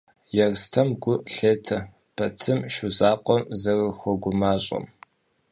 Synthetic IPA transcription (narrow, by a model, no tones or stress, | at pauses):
jɛrstʰɐmɡʷʊɬeːtʰɐ | pʰɐt͡sʰɨmʃʊzaːqʷʼɔmzɐrɨxʷɔɡʷʊmaːɕʼɐ̰m